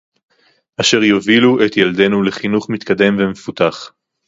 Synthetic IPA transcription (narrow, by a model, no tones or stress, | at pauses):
ʔaʃe̞ʁjoviluet̪jeld̪e̞nule̞χinuχmit̪kad̪e̞mvemefut̪aχ